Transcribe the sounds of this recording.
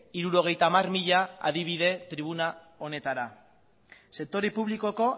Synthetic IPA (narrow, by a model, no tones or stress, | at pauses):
iɾuɾo̞ɣ̞e̞jt̪aːmarmiʎaa̰ðiβ̞iðe̞t̪ɾiβ̞una | o̞ne̞t̪aɾa | se̞k̚t̪o̞ɾipuβ̞liko̞ko̞